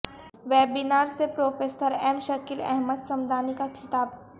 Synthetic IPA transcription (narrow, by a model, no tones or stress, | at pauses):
ʋɛːbinaːɾsepɾoːfeːsəɾɛːmʃɐkilɛ̰ɦməd̪sɐmd̪ʱaːnikaxʰɪt̪aːb